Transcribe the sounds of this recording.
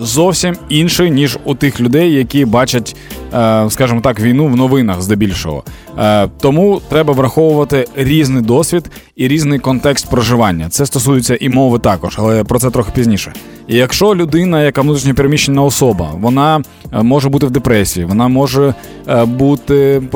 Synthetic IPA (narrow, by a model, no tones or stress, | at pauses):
zɔwsʲiminʃɪjnʲiʒut̪ɪxlʲʊd̪ɛjːɐkʲibɑt͡ʃɐtʲː | skɑʒɪmɔt̪ɑkʋʲijnuʋnɔʋɪnɐxzd̪ɛbʲilʲʃɔ̰ɦɔ̰ | t̪ɔmut̪ɾɛbɐʋɾɐxɔʋʊʋɐt̪ɪɾʲiznɪjd̪ɔsʲʋʲid̪ | iɾʲiznɪjkɔnt̪ɛkst̪̚pɾɔʒɪʋɑnʲːɐt̪sɛst̪ɔsujɪt͡sʲːɐʔimɔʋɪt̪ɑkɔʒɐlˠɛpɾɔt̪sɛt̪ɾɔxɪ̥pʲizʲnʲiʃɛ | ijɐkʃt͡ʃɔlʲʊd̪ɪnɐjɐkaʋnut̪ɾʲiʃnʲɐpʲiɾemʲiʃenʲːɐɔsɔbɐ̰ʋɔnɑ | mɔʐɛbut̪ɪwd̪epɾɛsʲijiʋɔnɑmɔʒɛ | but̪ɪ